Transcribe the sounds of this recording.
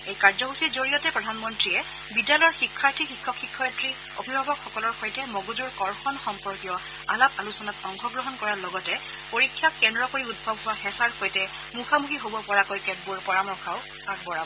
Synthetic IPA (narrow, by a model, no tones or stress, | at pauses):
ejkaɹzɔɦusizoɹijɔtɛpɹɔdʱanmɔntɹijɛ | bidalɔɔɹxikʰːaɹtʰixikʰːɔkʰːikʰːɔatɹi | o̰bʱibʱabɔkxɔkɔlɔɹxojtɛmɔɡuzuɹkɔɹxɔnxɔmpɔɹkjɔ | alɔk̚alusɔnatɔŋxɔɡɹɔɦɔnkɔɹaɹlɔɡɔtɛ | poɹikʰːjakːɛndɹɔkoɹiud̚bʱɔbɦʊwaxɛsaɹxojtɛ | muxʰamukʰiɦobɔpɔɹakojkɛt̚buɹpɔɹamɔɹkʰaʊ | pak̚bɔɹabɔ